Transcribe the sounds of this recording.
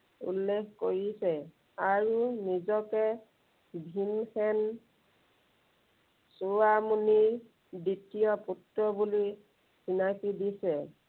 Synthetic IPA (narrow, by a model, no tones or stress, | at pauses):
ṵlːekkoɹisɛ | aɹunizɔkɛ | bʱinxɛn | suwamuni | ditijɔputɹɔbuli | sinakidisɛ